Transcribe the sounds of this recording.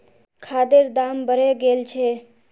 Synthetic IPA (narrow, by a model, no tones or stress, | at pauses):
kʰad̪eɾd̪ambʱəɾeɡelt͡ʃʰe